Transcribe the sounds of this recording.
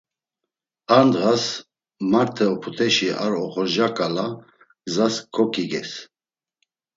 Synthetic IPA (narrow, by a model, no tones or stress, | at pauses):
and̪ɣas | maɾt̪ʰɛɔpʰut̪ʰɛʃiʔa̰ɾɔχɔɾʒakʼala | ɡzaskʰɔkʰʼiɡɛs